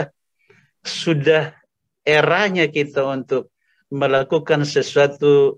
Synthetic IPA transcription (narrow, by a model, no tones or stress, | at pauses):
sudah | eɾahɲakit̪aunt̪ʊk̚ | məlakukansəsuat̪u